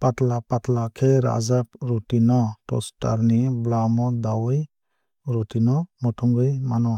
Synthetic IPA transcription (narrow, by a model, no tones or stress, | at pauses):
pat̪lapat̪lakʰeɾa̰zap̚ɾutinɔtɔ̰sta̰ɾniblamɔd̪awɯj | ɾɔtinɔmɔtʰɔŋɡɯjmanɔ